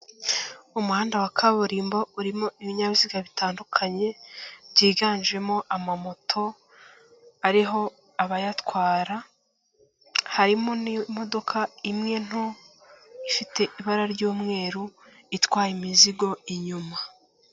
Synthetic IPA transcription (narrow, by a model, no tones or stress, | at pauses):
umuhaːndawakʰaβoɾiːmbouɾimoiβiɲaβiziːɡaβitaːndukʰaɲe̞bɟiːɡaːnd͡ʒe̞mo̞ʔamamo̞tʰo̞ | aɾiɦo̞ | aβajatwaːɾa | haɾimonimo̞do̞kʰaimŋe̞n̥o | ifite̞ʔiβaɾaɾɟuːmŋe̞ːɾu | itwaːjimiziɡo̞iɲuma